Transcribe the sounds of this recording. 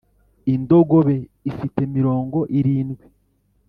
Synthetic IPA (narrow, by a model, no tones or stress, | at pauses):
indo̞ɡoβe̞ifite̞miɾo̞ːŋɡo̞ʔiɾiːnɡwi